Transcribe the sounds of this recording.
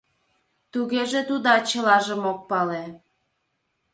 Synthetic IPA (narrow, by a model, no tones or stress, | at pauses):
t̪uɣeʒet̪ud̪ɑt͡ɕəlɑʒəmok̚pɑle